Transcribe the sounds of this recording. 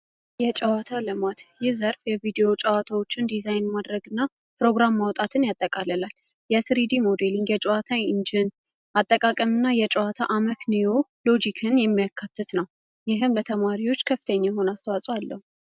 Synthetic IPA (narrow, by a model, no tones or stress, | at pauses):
jɛt͡ʃʼəwat̪ʰalɨmat̪jɪhzəɾfjɛvid̪ejo̞t͡ʃʼəwat̪ʰawo̞t͡ʃːɪnd̪izajnmad̪ɾəɡɨnːa | pɾo̞ɡɾamːawt̪ʼat̪ʰɨnjat̪ʼːəkʼaləlal | jɛsɾid̪imo̞d̪eliŋɡjɛt͡ʃʼɛwat̪ʰaɪnd͡ʒɪn | ʔat̪ʼːəkʼakʼəmɨnːajɛt͡ʃʼɛwat̪ʰaʔaməkʰnejolo̞d͡ʒikʰɨnjɛmːijakʰːat̪ʰːɨt̪nəw | jɪɦɨmlət̪ʰəmaɾiwo̞t͡ʃːkʰəfːit̪ʰəɲːajɦo̞nast̪ʰəwasʼwalːəhu